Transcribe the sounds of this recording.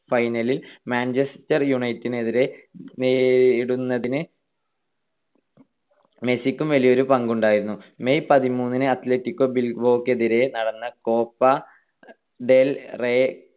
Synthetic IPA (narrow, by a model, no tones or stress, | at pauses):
fɐjnɐlilmaːnt͡ɕestɐrjuɳɐjtːineðiɾe̞nːɽunːɐðinɨ | me̞sikʲːumʋɐlijo̞ɾupɐŋɡuɳɖaːjiɾunːume̞jpɐðimuːnːinɨɐt̪le̞tːikʲːo̞bilɡbo̞ːkːe̞ðiɾe̞nɐɽɐnːɐko̞ːpːɐ | ɖe̞lre